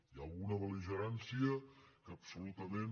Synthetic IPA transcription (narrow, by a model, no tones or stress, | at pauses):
iəlˠɣunəβəliʒəɾansiəkəːpsulut̪əmen